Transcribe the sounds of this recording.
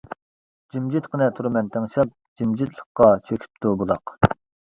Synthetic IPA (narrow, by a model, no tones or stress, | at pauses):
d͡ʒimd͡ʒit̪qənɛt̪ʰuɾmɛnt̪ʰɛŋʃɑp̚d͡ʒimd͡ʒit̪lˠəχqːɑt͡ʃʰøkʲʰy̥p̚t̪ubulˠɑq